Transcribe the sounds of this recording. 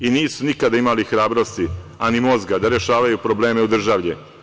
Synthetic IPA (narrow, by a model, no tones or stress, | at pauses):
iniːsunikad̪aimalixɾaːbɾo̞st̪ianimo̞zɡad̪aɾeʃaːʋajupɾo̞ble̞ːme̞ud̪r̩ʒaʋʎɛ